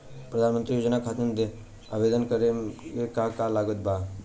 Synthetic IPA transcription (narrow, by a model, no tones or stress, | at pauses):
pɾəd̪ʱanmənt̪ɾijoːd͡ʒnakʰat̪ənd̪e | abed̪ənkəɾekekakalaɡot̪̚ba